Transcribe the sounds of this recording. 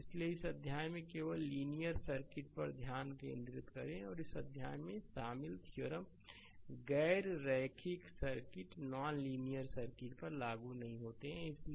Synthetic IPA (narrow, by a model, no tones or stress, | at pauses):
ɪslieɪsəd̪ʱjaːjmẽkeːʋəlːiːnijəɾsəɾkɪʈ̚pəɾd̪ʱjaːnkḛ̃ːnd̪ɾɪt̪kəɾẽɔːɾɪsəd̪ʱjaːjmẽʃaːmɪlt̪ʰjoɾəm | ɡɛɪɾːɛːkʰɪksəɾkɪʈnaːnliːnijəɾsəɾkɪʈ̚pəɾlaːɡunɐɦĩɦoːt̪eɦɛ̃ɪsl